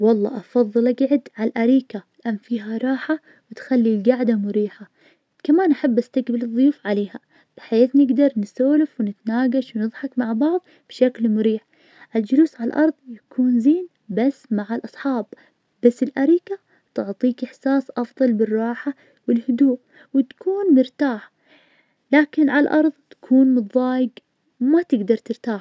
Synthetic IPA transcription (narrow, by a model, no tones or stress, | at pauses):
wɑlˤːɑ̰ːʔɑfɑðˤːɨlaɡʕɪd̪ʕalʔaɾiːkalɪʔanfiːɦaɾˤɑːħa | wɪt̪xalːilɡaʕd̪amʊɾiːħa | kamaːnʔaħabːʔast̪aqbɪlɨðˤːʊjuːfʕaleːɦa | b̥ɪħaejaːθnɪɡd̪ɑɾˤnɪsoːlɪfwɪnɪt̪naːɡaʃwnɨðˤħɑkmaʕbɑʕðˤ | b̥ʃaklmʊɾiːħ | ʔɪld͡ʒʊluːsʕalʔɑɾˤðˤjakʰuːnziːn | basːmaʕalʔɑsˤħɑːb | basːɪlʔaɾiːka | t̪ʊʕt̪ˤiːkʔɪħsaːsʔɑfðˤɑlbɪrˤːɑːħa | wɪlhʊd̪uːʔ | wɪt̪kʰuːnmʊɾt̪aːħ | laːkɪnʕalʔɑɾˤðˤt̪ḁkʰuːnmʊðˤːɑːjɪɡ | mat̪ɪɡd̪ɑɾˤt̪ɪɾt̪aːħ